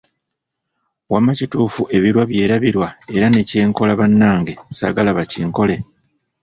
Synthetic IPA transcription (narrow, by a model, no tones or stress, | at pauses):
wamːacituːfuʔe̞βiɾwaβje̞ːɾaβiɾwae̞ɾane̞ce̞ːŋko̞laβanːaːŋɡe̞sa̰ɡalaβaciːŋko̞le̞